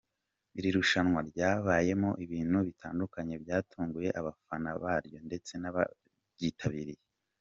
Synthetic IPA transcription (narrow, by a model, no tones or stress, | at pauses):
iɾiɾuʃanŋwaɾɟaːβaːje̞mo̞ʔiβiːn̥huβitʰaːndukaɲe̞bjaːtʰuːŋɡuje̞ʔaβafanaβaːɾjo̞nde̞t͡se̞naβa̰ | ɟitʰaβiːɾije